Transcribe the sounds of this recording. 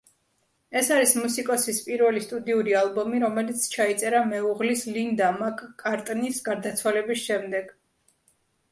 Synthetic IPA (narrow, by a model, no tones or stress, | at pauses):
ɛsaɾismusikʼɔsispʼiɾvɛlist̪ʼud̪iuɾialˠbɔmiɾɔmɛlit̪sʰt͡ʃʰait̪sʼɛɾamɛuʁlislind̪amakʼkʼaɾt̪ʼnisɡaɾd̪at̪sʰwalɛbisʃɛmd̪ɛɡ̥